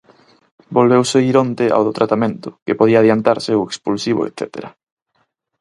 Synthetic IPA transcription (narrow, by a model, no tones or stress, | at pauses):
bolβewseiɾont̪ea̰wðʊt̪ɾat̪amẽnt̪ʊ̥kepoðiaðjant̪aɾseoekspulsiβo̰ḛt̪θɛ̰t̪ḛɾɐ